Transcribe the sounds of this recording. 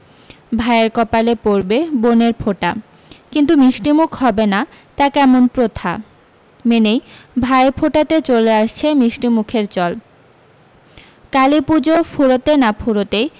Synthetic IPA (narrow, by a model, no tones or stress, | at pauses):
bʱaeeɾkɔpalepoɾbeboneɾpʰoʈa | kint̪umiʃʈimukʰhɔbena | t̪akɛmonpɾot̪ʰa̰ | menejbʱaepʰoʈat̪et͡ɕoleaʃt͡ɕʰemiʃʈimukʰeɾt͡ɕɔl | kalipud͡ʑopʰuɾot̪enapʰuɾot̪ej